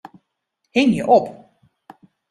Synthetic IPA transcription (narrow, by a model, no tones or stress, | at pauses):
hɪŋjəʔɔp